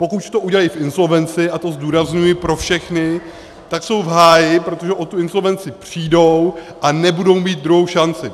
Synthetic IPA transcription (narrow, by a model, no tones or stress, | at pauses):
po̞kuct̪o̞uɟɛlajfʔɪnso̞lvɛnt͡sɪʔat̪o̞zduːɾazɲujɪpɾo̞fʃɛxnɪ | t̪akso̞wvɦaːjɪpɾo̞t̪o̞ʒɛʔot̪uɪnso̞lvɛnt͡sɪpr̝̥iːdo̞wʔanɛbudo̞wmiːt̪̚d̪ɾuɦo̞wʃant͡sɪ